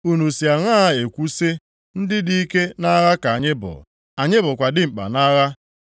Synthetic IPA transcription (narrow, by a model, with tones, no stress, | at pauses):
u˦nu˨si˨a˨ŋʷa˦a˦˨e˨kʷu˦se˦ | n̩˦dɪ˦di˦i˦ke˦na˦ɣa˦ka˨a˨ɲɪ˦bʊ̰˨ | a˨ɲɪ˦bʊ˨kʷa˨dɪ˦ŋ͡m̩˨k͡pa̰˨na˦ɣa˦